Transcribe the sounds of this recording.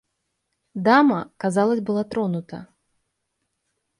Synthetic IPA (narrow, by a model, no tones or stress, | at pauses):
d̪amɐkazalˠɐsʲbɨlˠat̪ɾɔnut̪ɐ̰